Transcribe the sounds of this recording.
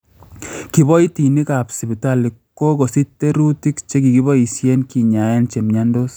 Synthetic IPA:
ki˨bɔ˦i˦ti˨ni˦ka˨psi˨bi˨ta˦li˨kːo˦ko˨si˦tːe˦ɾu˦ti˦kt͡ʃe˦k̬i˨ki˦bɔ˦i˨sje˦nki˨ɲa˨je˦nt͡ʃe˨mɲa˦ndo˦s

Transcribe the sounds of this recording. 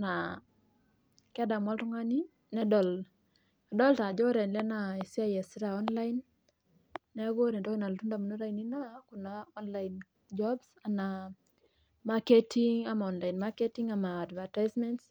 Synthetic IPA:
na | kɛ˦da˨mwɔ˦ltʊ˦ŋa˦ni˦ | nɛ˦dɔ˨l | a˨dɔ˦lta˨d͡ʒo˦ɾɛ˨nlɛ˦na˨i˨si˦a˦jɛ˨sɪ˦ɾa˨ɔ˦nla˦inː | ɛ˦ɡo˦ɾe˨ndɔ˦ki˦na˨ltu˦nda˨mu˨no˦ɾa˦ini˦na˦ku˨naɔ˦nla˦in | d͡ʒɔbsa˨na˨ | ma˦ke˦tʰiŋa˨ma˨ɔnla˨inma˦ke˦ti˦ŋa˨maː˨dva˨ta˦ɪsmɛ˦nts

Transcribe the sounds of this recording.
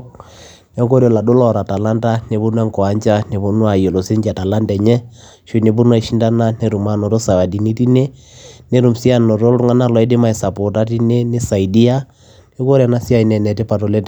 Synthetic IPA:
nɛ˦ko˦ɾe˨la˨do˦lɔ˨ɾa˨ta˨la˦nda˦ne˨βu˦nwɛ˦ŋkɔ˨a˨˦ɲt͡ʃa˦ne˨βo˦nwa˨jo˨lo˨se˦ɲd͡ʒa˨ta˨la˦ndɛ˨ɲɛ˦ | ʃo˦ne˨bu˦nwa˦˨ʃi˦nda˦na˦ne˦ɾu˨ma˦no˨ɾo˦sa˨wa˨di˨ni˦ti˦ne˦ | ne˦ɾu˨msi˦a˦˨no˨to˦ɾu˦ŋa˦na˦lɔ˨i˦de˦ma˨e˨sa˨po˨ta˦ti˦ne˦ne˦sa˨i˨di˦a˦ | ne˦ko˦ɾa˨na˦si˦a˦i˨nɛ˨nɛ˨te˦pa˨to˨lɛ˦t

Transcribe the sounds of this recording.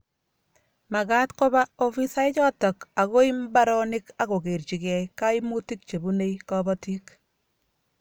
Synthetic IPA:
ma˨ka˦tko˦ba˦o˦fi˦sa˦ɪ˦t͡ʃɔ˦tɔ˨ka˨ko˦i˦mba˦ɾɔ˦nɪ˦ka˦ko˨ke˨ɾt͡ʃi˨kɛ˨ka˦imu˦ti˦k̚t͡ʃe˨bu˦ne˦jkɔbɔti˦k

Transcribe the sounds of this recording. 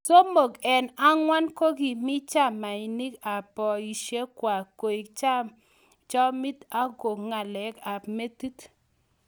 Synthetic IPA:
so˦mo˨ɡɛ˨na˦ŋwa˦nko˦ɡi˨mɪ˦t͡ʃa˦˨ma˨i˨ni˦ka˨pɔ˨i˨ʃe˦kwa˨ko˨i˨kt͡ʃa˦ | t͡ʃɔ˦mi˦ta˦ɡo˨ŋa˨lɛ˨˦ka˨pme˦tu˦t

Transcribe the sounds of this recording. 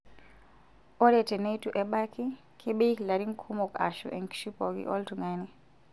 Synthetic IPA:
ɔ˦ɾɛ˨tɛ˨ne˦jtu˨ʔɛ˦ɓa˦kʰi˦ | kʰe˦ɓe˦i˦kla˨ɾi˦ŋkʰu˦mɔ˨ka̰˨ʃṵ˨ʔɛ˨ŋkʃi˦pɔ˨ɡḭ˦ʔɔ̰˦ltu˨ŋani˨

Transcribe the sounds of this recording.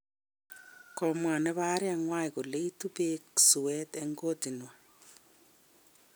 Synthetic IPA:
ko˨mwa˨ne˦βa˦ɾi˦a˨ŋwa˦iku˨le˦i˦tupeksu˨we˦te˦ŋɡo˦ti˨nwa

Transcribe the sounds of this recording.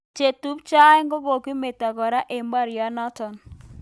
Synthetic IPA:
t͡ʃe˨tu˦pt͡ʃa˦ɛ˦ŋɡɔ˦ɡo˨ki˦me˨ta˨ɡɔ˨ɾa˦ʔe˨mba˦ɾɪ˨a˦na˦tɔ˨n

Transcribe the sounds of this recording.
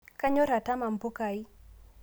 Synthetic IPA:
ka˦ɲɔ˦ɾa˨ta˦ma˨mbo˦ka˨i˦

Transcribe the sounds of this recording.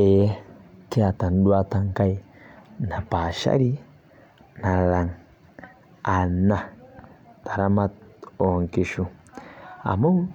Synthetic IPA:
e˨e˦ke˦a˨ta˨n˦ɗwa˦t̪a˧ŋ˦ka˦i˦ | na˨pa˨ʃa̰˦ɾi˦ | na˨la˨ŋ | a˨na˨ | t̪a˨ɾa˦ma˦t̪̚o˨ŋki˨ʃu˦ | a̰˨mo˦ŋ

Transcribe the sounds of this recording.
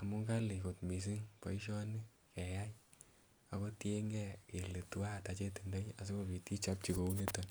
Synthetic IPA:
a̰˨mu˦ŋɡa˦li˨ko˨tmi˨s̬i˦ŋpɔ̰˨i˦ʃ̬ɔ˦ni˦ | kɛ˨ja˦j | a˨kɔ˦tje˦ŋɡɛ˦ke˨le˨tu˦wa˦ta˨˦t͡ʃe˦ti˨ndɔ˦ja˨s̬o˦ko˨pi˨ti˦t͡ʃa˦p̚t͡ʃi˨ko˨u˦ne˦tɔ˨n

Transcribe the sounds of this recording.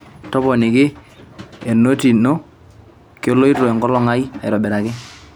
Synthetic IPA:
tɔ˦pɔ˨nɪ˨kɪ˦ | e˨no˦ti˨no˦ | ko˦lo˦i˦to˨ɛ˨ŋɡɔ˦lɔ˦ŋa˦i˦a˨ɪ̰˨ɾɔ˨bɛ˨ɾa˨kɪ˦

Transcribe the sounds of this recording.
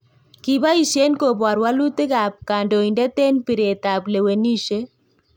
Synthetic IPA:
ki˨ba˦i˨ʃje˦nko˨bwa˨ɾwa˦lu˦tɪ˦ka˨p̚ka˨ndo˨i˨ndɛ˦tɛ˦npɪ˨ɾe˨ta˨ple˨we˨ni˦ʃe˦

